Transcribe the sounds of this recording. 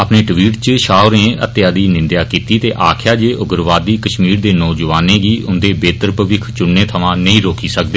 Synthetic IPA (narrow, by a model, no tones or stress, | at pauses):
əpneːʈʋiːʈt͡ʃʃaːɾẽːə̰t̪jaːd̪iːnɪ̃nd̪jaːkiːt̪iːt̪eːʔaːkʰjaːd͡ʒeːʔʊɡɾʋaːd̪iːkəʃmiːɾd̪eːnɔːd͡ʒəʋaːnẽːɡiːʔʊnd̪eːbeːt̪əɾpəʋɪkʰt͡ʃʊnːẽːt̪ʰəʋãːnəĩːɾoːkiːsək̚d̪eː